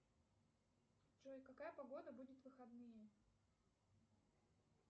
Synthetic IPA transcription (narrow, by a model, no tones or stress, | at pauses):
ʐojkɐkajəpɐɡo̞d̪əbudʲɪt̪vɨxɐd̪nɨjə